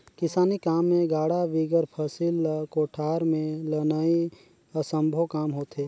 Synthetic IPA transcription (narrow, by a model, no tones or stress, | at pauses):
kɪsaːnikaːmːẽɡaːɽaʋiɡəɾpʰəsilkoːʈʰaːɾmẽlənai | əsə̃mbʱəwkaːmɦoːt̪ɦeː